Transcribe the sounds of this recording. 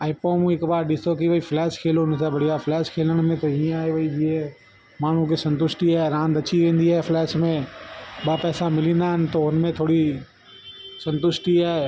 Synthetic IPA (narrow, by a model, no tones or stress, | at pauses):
aipoːmũɪkbaːɾɗɪsokiʋɐiflɛːʃkʰeːloɦʊnsabɐɽ̤ʱijaflɛːʃkʰeːləɽ̃mẽt̪ɐĩːə̃aːeʋɐid͡ʑiɦẽ | maːɳ̤ũkesɐ̃nt̪̬ʊʃʈiaːeɾãːnd̪ɐt͡ɕiʋẽːnd̪iaːɦefʰlɛːʃmẽɓaːpɛːsãmɪlĩːnd̪aːɦɪnɪ̆t̪oɦʊnmẽt̪ʰoːɽi | sɐ̃nt̪ʊʃʈiaːɦe